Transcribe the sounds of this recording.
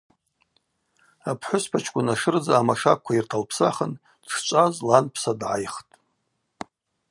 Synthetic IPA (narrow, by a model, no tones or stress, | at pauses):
apʰħʷʊspʰat͡ʃʰkʷʼʊnaʂɨrd͡zaːmaʂak̚kʷʰːairtʰalpʰsaχən | ʈ͡ʂt͡ʃʷʼazlanpʰsadʕa̰jχtʼ